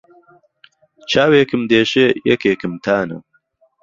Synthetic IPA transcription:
t͡ʃʰaːweːkɨmd̪eːʃejɛkeːkɨmt̪ʰaːnɐ̰

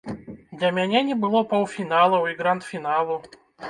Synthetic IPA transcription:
d̪lʲɐmʲanʲanʲɪbɨlˠɔpɐwfʲinalˠəwɪɡɾant̪fʲinalˠʊ

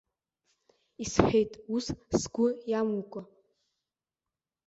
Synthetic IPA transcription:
isħʲᶣejtʼussɡʷʊjamukʷʼa

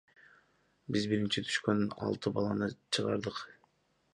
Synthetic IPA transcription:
bizbiɾint͡ʃit̪ʰy̥ʃkønɑ̰lˠt̪ɯbɑlˠɑnɯt͡ʃʰɯʁɑ̰ɾd̪ɯq

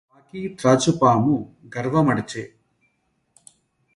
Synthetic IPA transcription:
aːkit̪ɾaːt͡ʃupaːmuɡɐɾʋɐmɐɽt͡ʃeː

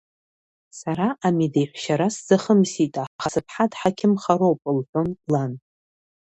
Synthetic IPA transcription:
saɾaʔamidejħʷʃaɾaszaχəmsitʼaχasɨpʰħadħakʲʰɪmχaɾowpʼɨlħʷᶣo̞nlan

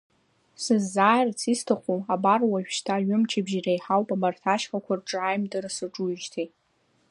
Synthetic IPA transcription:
sɨzːaːjrt͡sʰistʰaχʷuabarwaʃᶣʃtʰaːɥʊmt͡ʃʰabʒirajħawpʼamartʰaʃχakʷʰarʈ͡ʂʼajmdɨrsɨʈ͡ʂʼuʒtʰitʼ

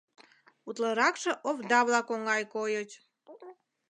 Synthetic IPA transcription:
ut̪ləɾɑkʃə̆ʔoβd̪ɑβlɑkoŋɡɑjkojət͡ɕ

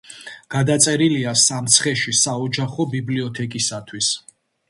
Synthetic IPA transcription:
ɡ̥ad̪at̪sʼɛɾiliasamt̪sʰχɛʃisaɔd͡ʒaχɔbibliɔt̪ʰɛkʼisat̪ʰwis

